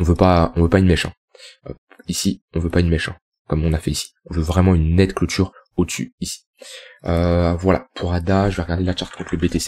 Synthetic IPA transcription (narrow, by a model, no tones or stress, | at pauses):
ɔ̃vøpaɔ̃vøpainmeʃɑ̃ | ø̰ | isiɔ̃vøpainmɛʃɑ̃ | kɔmɔ̃nafɛisi̥ɔ̃vøvʁɛmɑ̃ynːɛt̪klot̪ʰyʁ | od̪əsy̰isi̥ | øvwala̰pʰuʁad̪aʒəvɛʁəɡaʁd̪elat͡ʃʃaʁt̪̚kɔ̃t̪ʰləbet̪ese̥